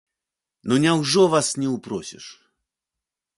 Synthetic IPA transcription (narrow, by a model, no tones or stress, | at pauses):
nɔnʲawʐɔvasnʲɛupɾɔsʲɛ̰ʂ